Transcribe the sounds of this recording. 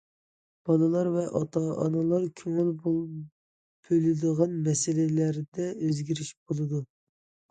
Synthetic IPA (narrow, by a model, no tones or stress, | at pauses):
b̥ɑnɨlˠɑɾvɛʔɑt̪ʰɑʔɑnɨlˠɑɾkʲʰøŋylb | b̥ølɪd̪əʁɑnmɛsɪlɪlæɾd̪ɛøzɡʲiɾiʃb̥olˠɨd̪u